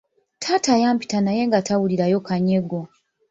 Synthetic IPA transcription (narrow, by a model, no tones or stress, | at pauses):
tʰatajaːmpi̥tanaje̞ŋɡatawuliɾajo̞kaɲe̞ɡo